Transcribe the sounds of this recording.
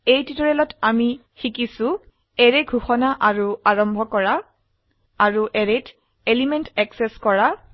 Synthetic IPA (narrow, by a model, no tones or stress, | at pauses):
ejtitɔɹɛlɔtami | xikisʊ̃ | ɛɹeɡʱuxɔnaʔaɹuaɹɔmbʱɔkɔɹaː | ɹuʔɛɹet | elimɛntɛksɛskɔɹa